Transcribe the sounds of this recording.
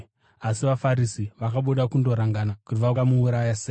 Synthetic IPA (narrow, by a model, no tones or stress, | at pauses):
asiʋafaɾisiʋakaɓuɗakundo̞ɾaŋɡanakutiʋaamuuɾajase